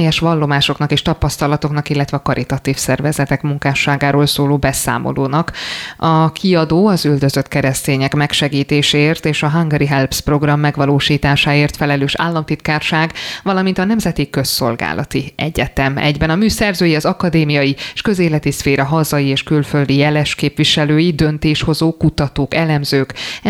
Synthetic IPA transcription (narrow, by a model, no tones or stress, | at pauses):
jɛʃʋɒlːo̞maːʃo̞knɒkeːʃt̪ɒpɒst̪ɒlɒt̪o̞knɒkilːɛt̪ʋɛɒkɒɾʔit̪ɒt̪iːfsɛrvɛzɛt̪ɛkmuŋkaːʃaːɡaːɾoːlsoːloːbɛsa̰ːmʔo̰loːnɒkɒkiɒd̪oːɒzyld̪øzø̞t̪kɛɾɛst̪eːɲɛkmɛkʃɛɡiːt̪eːʃeːeːrt̪eːʃɒɦɒŋɡɛɾiɦɛlpspro̞ɡrɒmːɛɡʋɒloːʃiːt̪aːʃaːeːrt̪fɛlɛløːʃa̰ːlːɒmt̪it̪kaːrʃaːɡʋɒlɒmint̪ɒnɛmzɛt̪ikø̞sːo̰lɡa̰ːlʔɒ̰t̪iɛ̰ɟɛt̪ɛmɛ̰ɟbɛnɒmyːsɛrzøːjiɒzɒkɒd̪eːmijɒjieʃkø̞zeːlɛt̪isfeːɾɒɦɒzɒjieːʃkylføld̪ijɛlɛʃkeːpvʋiʃɛløːjid̪ønt̪eːʃho̞zoːkut̪ɒt̪oːkɛlɛmzøːk